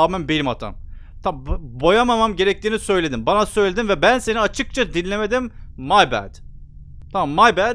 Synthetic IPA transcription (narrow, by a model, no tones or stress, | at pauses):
aːmæmbelimat̪ʰa̰m | t̪ʰabbo̞jamamamɟe̞ɾɛc̚t̪iːnisø̞jlʲed̪imbanasø̞jlʲed̪invɛbænse̞niat͡ʃʰɯk̚t͡ʃʰad̪inlʲe̞med̪imːajbæ̰d̪̥ | t̪ʰamamːajbæ